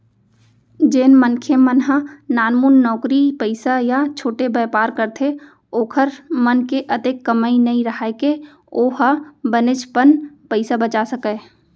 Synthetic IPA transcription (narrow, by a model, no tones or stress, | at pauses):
d͡ʒeːnmənkʰemənɦə̃naːnmuːnːɔːkɾipəɪsajat͡ʃʰoːʈebeːpaːɾkəɾt̪ʰe | oːkʰəɾmənkeʔət̪ekːəmainɐĩɾəɦaeke | oːɦəbənɪt͡ʃpənpəɪsabət͡ʃasəkeː